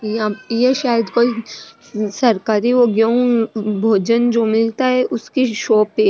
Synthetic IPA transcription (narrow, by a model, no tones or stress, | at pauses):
jãjeʃaːjəd̪koːi | sɐɾkaːɾioːɡjõbʱoːd͡ʒənd͡ʒoːmɪlt̪aɦɛʔʊskiʃoːpe